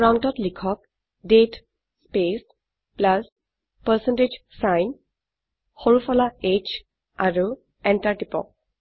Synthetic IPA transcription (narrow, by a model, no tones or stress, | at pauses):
ɹawntɔtlikʰɔk | ɖet | spes | plas | pəsɛnted͡ʒsajn | hoɹufʰɔlaet͡ʃ | aɹu | ɛntaɹʈipɔ̰